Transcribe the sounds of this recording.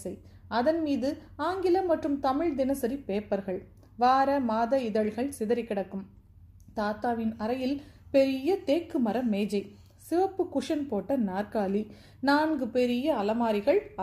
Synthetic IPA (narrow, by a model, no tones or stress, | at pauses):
ɐɪ | ɐðɐnmiːðɯaːŋɡɪlɐmɐʈrɯmt̪ɐmɪɻd̪ɪnɐsɐɾipeːpːɐɾɣɐɭ | ʋaːɾɐmaːðɐɪðɐɭɣɐɭsɪðɐɾɪkːɪɽɐkːɯm | t̪aːt̪aːʋɪnɐɾɐjɪlpɛɾɪjɐt̪eːkːɯmɐɾɐmeːd͡ʒɐɪ | sɪʋɐpːɯkʊʂɐnpoːʈːɐnaːɾkaːli | naːnɡɯpɛɾɪjɐːlɐmaːɾɪɣɐɭɐ